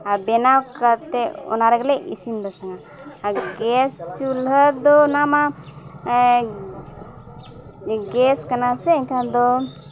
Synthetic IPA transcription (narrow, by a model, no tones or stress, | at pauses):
abɛnawkaɾt̪ɛɔ̰naɾəɡlɛʔḭsind̪ɔsaŋaː | ɡɛst͡ʃulɦəd̪ɔnama | ɡɛskanasɛːɲkʰãd̪ɔ